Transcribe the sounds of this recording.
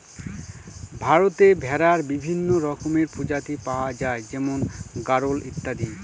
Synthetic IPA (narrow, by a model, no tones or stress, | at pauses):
bʱaɾot̪ebʱɛɾaɾbibʱinːoɾɔkomeɾpʰod͡ʑat̪ipawad͡ʑaed͡ʑɛmonɡaɾolit̪ːad̪i